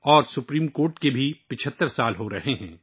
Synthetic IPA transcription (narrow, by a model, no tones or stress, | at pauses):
ɔːɾsʊpɾiːmkoːɾʈkebʱipɪt͡ʃʰət̪ːəɾsaːlɦoɾɐɦeɦɛ̃ː